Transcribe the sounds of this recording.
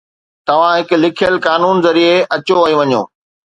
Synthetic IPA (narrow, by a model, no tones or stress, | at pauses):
t̪ɐʋ̤ãɦɪkʊ̆lɪkʰijəlkaːnuːnzɐɾieɐt͡ɕoɐːjũʋɐɲo̰ː